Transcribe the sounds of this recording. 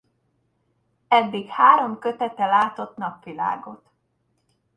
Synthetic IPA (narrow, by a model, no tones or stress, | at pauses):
ɛd̪ːikhaːɾo̞mkøt̪ɛt̪ɛlaːt̪o̞t̪nɒpʋila̰ːɡo̞t̪